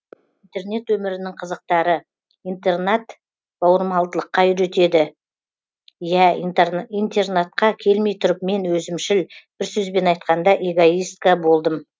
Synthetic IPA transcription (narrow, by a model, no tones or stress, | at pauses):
int̪e̞rne̞t̪wɵmɪɾɪnɪŋqʰəzəq̚t̪ɑɾə | ijnt̪e̞rnat̪ | b̥ɑwəɾmɑlˠd̪əlˠəqːɑjʏɾe̞t̪e̞d̪ɪ | jæ | ijnt̪e̞rnat̪̚qɑkʲʰe̞lme̞jt̪ʰʊɾəp̚me̞nwɵzɪmʃɪlb̥ɪɾsɵzbe̞nɑjt̪̚qɑnd̪ɑʔeɡoijst̪kabo̞lˠd̪əm